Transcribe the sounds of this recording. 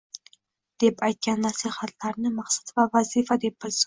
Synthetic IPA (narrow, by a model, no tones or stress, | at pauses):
d̪̥e̞pajt̪̚kʲanːasihat̪ʰlaɾnɪmaqsḁt̪vavazifad̪e̞p̚bɪz